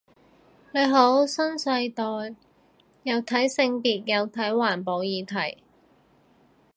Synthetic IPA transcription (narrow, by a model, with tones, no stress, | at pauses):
ne˨˧jɦo˨˥wsɐ˥nsɐ˧jt̪ɔː˨j | jɐ˨˧wt̪ʰɐ˨˥jsɪ˧ŋpiː˨t̚jɐ˨˧wt̪ʰɐ˨˥jwaː˨˩npo˨˧wjiː˨˧t̪ʰɐ˨˩j